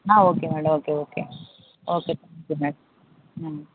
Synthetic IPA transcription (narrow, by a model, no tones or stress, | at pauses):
ɦãːoːkemeːɽɐmoːkeoːkḛ | oːket̪ʰad͡ʒumeːɽɐm | ɦã